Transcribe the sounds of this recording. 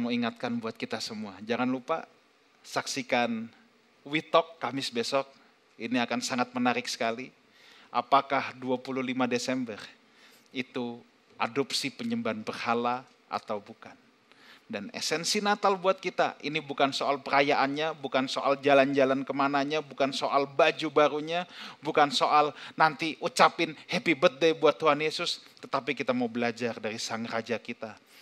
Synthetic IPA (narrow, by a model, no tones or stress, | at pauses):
muiŋat̪̚kanbuat̪̚kit̪asəmuad͡ʒaŋanlupa̰ | saksikan | wit̪ɔkːamɪsbesɔk̚ | iniakansaŋat̪̚mənaɾɪksə̥kali | ʔa̰pakahduapuluhlimadesɛmbər | it̪u | ʔa̰dɔpsipəɲəmbanpərhala | a̰t̪awbukan | danɛ̰sɛnsinat̪albuat̪̚kit̪a̰ʔinibukansoalpəɾajaʔanɲabukansoʔald͡ʒaland͡ʒalankəmanaɲabukansoʔalbad͡ʒubaɾuɲabukansoʔalnant̪iut͡ʃapɪnhepibət̪̚daibuat̪ːuɦanjesʊst̪ət̪ap̬ikit̪amaubəlad͡ʒardaɾisaŋrad͡ʒakit̪a